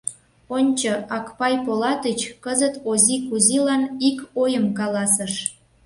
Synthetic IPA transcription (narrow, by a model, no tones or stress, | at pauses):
onʲt͡ɕoɑkpɑjpolɑt̪ət͡ɕkəzət̪ozʲikuzilɑnikojəmkɑlɑsəʃ